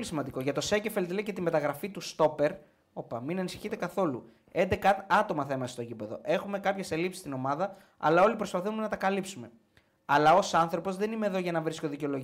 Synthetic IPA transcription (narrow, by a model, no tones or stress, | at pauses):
lisimɐnd̪iko̞ʝɐt̪o̞secefelt̪ileicet̪imbe̞t̪ɐɣɾɐfit̪ust̪o̞pe̞ɾ | o̞pɐminɐnisi̥çit̪e̞kɐθo̞lṵ | e̞nd̪e̞kɐɐt̪o̞mɐθɐimɐsest̪ocipe̞ðo̞̰ʔe̞xume̞kɐpçe̞selipsi̥st̪ino̞mɐðɐ | ɐ̰lɐo̞lipɾo̞spɐθuumenɐt̪ɐkɐlipsume̞ | ɐlɐo̞sɐnθɾo̞po̞zðe̞nimeðo̞ʝɐenɐvɾiskoðiceo̞lo̞ʝ